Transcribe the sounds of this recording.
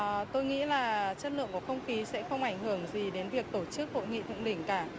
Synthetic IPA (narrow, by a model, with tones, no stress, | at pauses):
t̪o˧jŋḭ˧˥laː˨˩t͡ɕə˦˥t̚lɨ̰˧˨əŋkɔ˨˩˦xə˧wŋ͡mxi˨˦sɛ̰˧˥xə˧wŋ͡mʔa˧˩jŋ̟ɦɨ˧˩əŋzi˨˩ɗe˨˦nvi˨˩ək̚t̪o˧˩t͡ɕɨ˦˥k̚ho̰˧˨jŋḭ˧˨t̪ʰɨ̰˧˨ŋɗï˧˩ŋ̟kaː˧˩